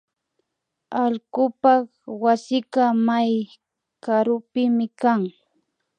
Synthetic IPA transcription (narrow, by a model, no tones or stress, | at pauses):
aʎkʊpɑχ | wasɪkamaj | kaɾʊpɪmɪkaŋ